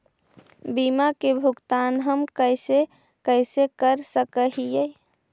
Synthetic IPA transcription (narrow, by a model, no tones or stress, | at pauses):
bimakebʱuɡt̪anɦəmkəjse | kəɪsekəɾsəkəɦijəj